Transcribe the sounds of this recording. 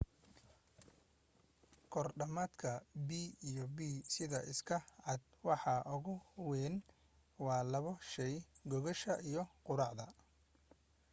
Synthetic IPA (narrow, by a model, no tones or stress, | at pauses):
kʰɔrɖɐmad̪kʰɐbiːijɔbiːsɪðɐʔɪskʰɐʕɑd̪ | wɑħɑʔʊɣʊwɛːn | wɑːlɐβɔʃɛjɡɔɣɔʃɐʔijɞqʊɾɑʕðɐ̰